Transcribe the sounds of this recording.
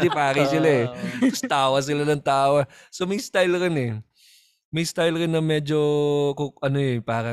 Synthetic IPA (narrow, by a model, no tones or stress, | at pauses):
d̪ɪpaːɾɪsɪlaɛkʊst̪aːwɐs̬ɪlanɐŋt̪aːwɐsomɐjst̪ajlɾɪnɛ | mɐjst̪ajlɾɪnːɐmɛːd͡ʒokoʔɐnoɛpaːɾɐ